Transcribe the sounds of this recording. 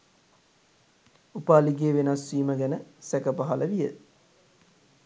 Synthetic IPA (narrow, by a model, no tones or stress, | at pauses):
upaːliɡeːʋenasʋiːməɡænəsækəpaɦɐləʋijə